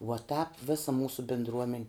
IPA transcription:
ʋuɔ tɑːp ˈʋʲɪsɐ ˈmuːsʊ bʲɪndˈruɔmʲɛn

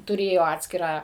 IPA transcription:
tʊˈrʲeːjoː ˈɑːtʲsʲkʲɪrɑː

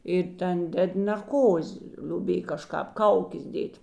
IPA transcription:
ɪr ˈtʲɛn ˈdʲɛt nʲɛrˈkoːzʲɪ ˈlʲʊbʲeːj kɐˈʃkɑːp ˈkɐʊkʲeːs ˈdʲeːtʲ

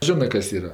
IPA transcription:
ˈʒʲɪnɜ ˈkɐs ˈiːrɐ

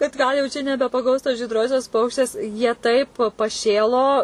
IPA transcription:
kɐt ˈɡɐlˠ jɛʊ t͡ʃʲɛ nʲɛbʲɛpɐˈɡɐʊs toːs ʒʲiːdˈroːsʲoːs ˈpɐʊkʃʲtʲeːs jiɛ ˈtɐɪp pɐˈʃʲeːlˠoː

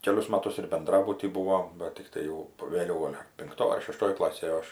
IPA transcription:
ˈkʲæːlʲʊs ˈmɑːtʊs ɪr bʲɛnˈdrɑːbʊtʲiː ˈbuːʋoːm ˈbɐt tʲɪkˈtɐɪ jɛʊ ʋʲeːˈlʲɛʊ ˈɡoːlʲ pʲɪŋkˈtoːj ɐr ʃʲɛˈʃtoːj ˈklˠɑːsʲeːj ˈɐʃ

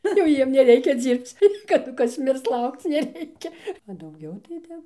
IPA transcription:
ˈnʊ jɛʊ ˈjiɛm nʲɛˈrʲɛɪkʲɛ ˈd͡zʲiːrpt͡s kɐˈdʊ ˈkɐs ˈmʲɪrs ˈlˠɐʊkt͡s nʲɛˈrʲɛɪkʲɛ ɐ dɐʊˈɡʲɛʊ tɐɪ ˈtʲɛp

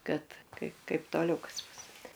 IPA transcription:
ˈkɐt ˈkɐɪp ˈkɐɪp toːˈlʲɛʊ ˈkɐs ˈbʊs

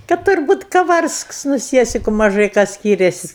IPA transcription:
kɐt tʊrˈbuːt kɐˈʋɐrsks nʊ ˈsʲiɛsʲɪkʊ mɐˈʒɐɪ ˈkɑː ˈsʲkʲiːrʲɛsʲɪsʲ

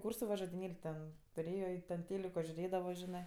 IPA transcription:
ˈkuːrsʊ ʋɐ ʒoːdʲɪnʲeːlʲ tʲɛn tʊˈrʲeːjoː ɪ ˈtʲɛn ˈtʲeːlʲɪkoː ʒʲʊˈrʲeːdɐʋoː ˈʒʲɪnɜ

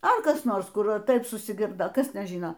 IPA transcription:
ɐ ˈkɐs ˈnoːrs ˈkʊr ɐ ˈtɐɪp sʊsʲɪˈɡʲɪrdoː ˈkɐs ˈtʲɛn ˈʒʲiːnoː

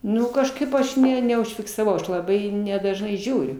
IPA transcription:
ˈnʊ kɐʃˈkɐɪp ɐʃ ˈnʲɛ nʲɛʊʃʲfʲɪksɐˈʋɐʊ ˈɐʃ lˠɐˈbɐɪ nʲɛdɐʒˈnɐɪ ˈʒʲuːrʲʊ

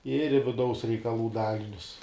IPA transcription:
ɪr ɪ ʋʲɪˈdɐʊs rʲɛɪkɐˈlˠuː ˈdɑːlʲɪnʲʊs

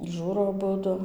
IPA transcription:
ˈʒuːroː ɐˈbʊdʊ

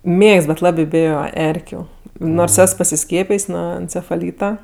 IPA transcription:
ˈmʲeːkst bʲɛt ˈlˠɑːbʲeː ˈbʲeːjoː ˈɛrʲkʲʊ ˈnoːrs ˈɛs pɐsʲɪˈsʲkʲiɛpʲɪjsʲ ˈnuɔ ɛnʲt͡sʲɛfɐˈlʲiːtɐ

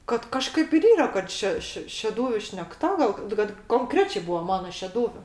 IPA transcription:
kɐt kɐˈʃkɐɪp ɪr ˈiːrɐ kɐt ˈʃʲɛ ˈʃʲɪ ʃʲɛˈduːʋʲʊ ʃʲnʲɛkˈtɐ ɡɐlˠ kɐt koːŋˈkrʲæːt͡ʃʲeː ˈbuːʋɐ ˈmɑːnɐ ʃʲɛˈduːʋʲʊ

